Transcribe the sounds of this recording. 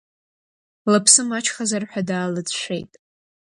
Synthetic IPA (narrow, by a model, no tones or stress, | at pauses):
lapʰsɨmat͡ʃʰχazarħʷᶣadaːlɨd͡zʃʷe̞̰jtʼ